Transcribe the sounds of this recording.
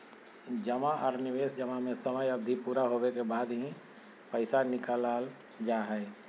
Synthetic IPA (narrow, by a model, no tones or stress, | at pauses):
d͡ʒəmaʔɔːɾnɪʋeːsd͡ʒəmamẽsəməjəbd̪ʱipuːɾaɦowekebaːd̪ɦĩ | pəɪsanɪkalaːl | d͡ʒaːɦɛɪ